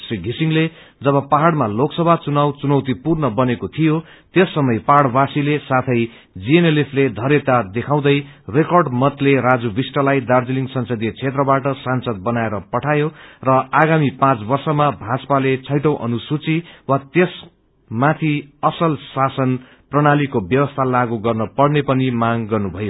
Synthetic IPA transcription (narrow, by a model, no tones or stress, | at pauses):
sriɡʱisiŋle | d͡zʌβʌpaɦaɽmaloksʌbʱat͡sunawt͡sunʌwt̪ipurnʌbʌnekot̪ʰijo | t̪jesːʌmʌjpaɽbasilesat̪ʰʌj | d͡zienelepʰled̪ʱʌɾet̪ad̪ekʰaw̃d̪ʌj | rekʌrɖmʌt̪leɾad͡zubisʈʌlajd̪ard͡ziliŋɡsʌnsʌd̪ijt͡sʰet̪rʌbaʈʌsansʌd̪̚bʌnaeɾʌpʌʈʰajorʌaɡamipãt͡sbʌrsʌmabʱat͡spalet͡sʰʌjʈʌ̃wʔʌ̰nusut͡siwat̪es | mat̪ʰiʌsʌlsasʌn | prʌɽ̃alikobjʌbʌst̪ʰalaɡuɡʌrnʌpʌɽnepʌnimaŋɡʌrnubʱʌjo